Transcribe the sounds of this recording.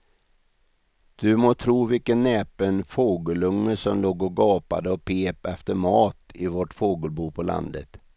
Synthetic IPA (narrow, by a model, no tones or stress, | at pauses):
d̪̥ɵmoːt̪ʰɾuːvɪlkənːɛːpənfoːɡəlɵŋːəʂɔmloːɡɔɡɑːpa̰d̪əɔpʰeːpɛft̪əɾmɑːt̪ɪvɔʈfoːɡəlbuːpʰɔla̰nd̪ə̰t̪